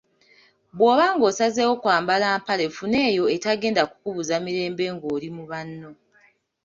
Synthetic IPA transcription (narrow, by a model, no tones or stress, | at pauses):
βbwo̞ːβaːŋɡo̞ːsazeːwo̞kwaːmbalaːmpale̞fune̞ːjo̞etaɡe̞ːndaku̥kuβuzamiɾe̞ːmbe̞ŋɡo̞ːɾimuβanːo̞